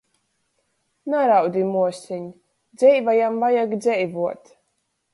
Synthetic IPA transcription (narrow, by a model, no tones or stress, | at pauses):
naɾawd̪ʲimuɔsʲiɲ | d̪zɛjvajamvajaɡd̪zʲɛjvuɔt̪